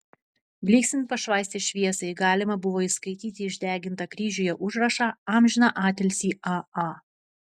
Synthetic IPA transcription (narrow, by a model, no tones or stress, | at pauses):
bʲlʲiːksʲɪnpɐʃʋɑˑɪsʲt̪ʲɪʃʲʋʲiɛsɐɪɡɑːlʲɪmɐbʊʋoːɪskɐɪt̪ʲiːt̪ʲɪɪʒʲd̪ʲæːɡʲɪnt̪ɐkɾʲiːʒʲuːjɛʔʊʒɾɐʃɑːɑːmʲʒʲɪnɑʔɑːt̪ʲɛlʲsʲiːʔɑɑ